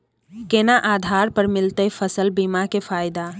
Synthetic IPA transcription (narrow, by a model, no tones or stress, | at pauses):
kenaʔad̪ʱaɾpəɾmilt̪əjpʰəsəlbimakepʰajd̪a